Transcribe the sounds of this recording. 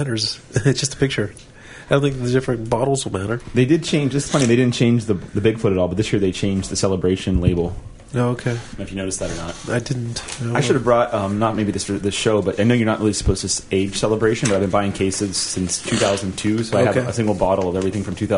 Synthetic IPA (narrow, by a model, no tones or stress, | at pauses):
æɾə˞zd̥ʒ̥ʌstə̥pʰɪk̚t͡ʃə˞ | ɪdõnθɪ̃ŋðɨdɪfɹɨ̃nb̥ɑɾl̩ˠzwl̩ˠmæɾə˞ðeɪdɨd̚t͡ʃʰẽɪ̃nd͡ʒɨsfʌ̃niðeɪɾɪdⁿn̩t͡ʃʰẽɪ̃nd͡ʒðəðɨbɪɡ̥fʊɾɨɾɔlˠbʌt̪̚ðɪsjɪɹðeɪt͡ʃʰẽɪ̃nd͡ʒðɨsɛlˠəbɹeɪʃɨ̃nleɪbl̩ˠ | oʊoʊkʰeɪɨfjɨnoʊɾɨsðæɾə˞nət̚aɪdɪdⁿn̩toaɪʃʊɾɨvbɹɔt̚ʌ̃mnət̚meɪbiðɪsðɪsʃoʊbʌtaɪnoʊjə˞nəʔɹʔɪlˠisə̥pʰoʊz̥tʰɨseɪd̥ʒ̥sɛlˠəbɹeɪʃɨ̃nbʌɾaɪvbɨ̃nbaɪɪ̃ŋkʰeɪsɨz̥sɪ̃nstʰʉθaʊz̃ntʰʉsoʊaɪɨvəsɪ̃ŋɡl̩ˠbɑɾl̩ˠʌvɛvɹiθɪ̃ŋfɹʌ̃mtʰʉθaʊ